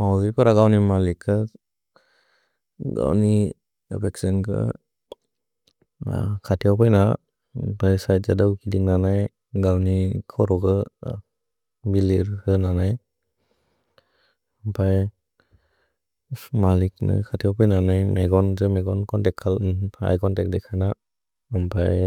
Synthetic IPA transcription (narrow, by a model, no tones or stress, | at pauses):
mawzipʰaɾaɡawnimalikʰːɯ | ɡa̰wni | pʰɛksinkʰɯ̰ | kʰatʰijawpʰajna | pʰajsaj̚zadawkidiŋnanaj | ɡawnikʰɔɾɔɡɯ | biliɾhɯnanaj | mpʰaj | malik̚nɯ̰kʰatʰijawpʰɔjnanajmeɡɔnzemeɡɔnkɔntɛkʰːala̰jkɔntɛk̚dɛkʰːajnaː | mpʰaj